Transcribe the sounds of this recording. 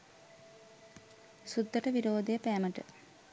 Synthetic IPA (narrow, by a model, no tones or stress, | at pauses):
sud̪ːɐʈəʋiɾoːd̪ejəpæːməʈə̰